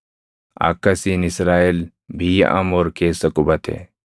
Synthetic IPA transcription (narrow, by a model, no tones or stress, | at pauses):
a̰kːɐsinisɾaːil | bʱij̰ʔɐ̰moːɾkeːsɐkubɐt̪ʰḛ